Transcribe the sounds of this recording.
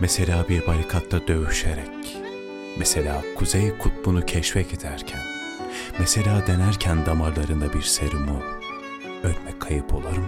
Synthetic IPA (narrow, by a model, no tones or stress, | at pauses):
mɛselʲaːbiɾbaɾikʰat̪ʰːad̪ø̞vyʃeɾɛc | mɛse̞lʲaːkʰuzejkʰut̪̚bunucʰɛʃvɛced̪æɾcʰæn | mɛse̞lʲaːd̪e̞næɾcʰænd̪amaɾlˠaɾɯnd̪abiɾseɾumu | ølʲmɛcʰːajɯpʰo̞̰lˠaɾɯm